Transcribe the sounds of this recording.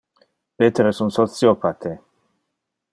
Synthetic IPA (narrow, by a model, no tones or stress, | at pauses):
pet̪eɾesunt̪sosiopat̪ʰe